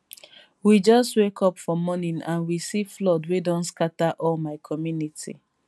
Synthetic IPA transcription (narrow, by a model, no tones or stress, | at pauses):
wid͡ʒɔstwekʰɔpfɔmɔnĩnãnwisiflɔdwedɔ̃nskataʔɔlmaɪkʰɔmjunitʰḭ